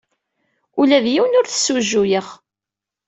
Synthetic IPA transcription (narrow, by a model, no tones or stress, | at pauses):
ulæðjiwnʊɾθə̥sːuʒːujəχ